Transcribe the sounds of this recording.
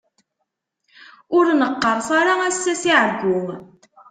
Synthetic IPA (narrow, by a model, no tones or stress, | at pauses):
ʊɾnəqːəɾˤsaɾaæsːæsiʕəɡʷːʊŋ